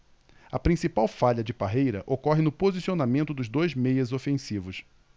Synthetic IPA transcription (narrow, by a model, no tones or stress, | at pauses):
ɐpɾĩsipawfaʎɐd͡ʒɪpaɦejɾɐʔokɔɦɪnʊpozisionamẽnt̪ʊd̪ʊzd̪ojzmejɐzofẽsivʊs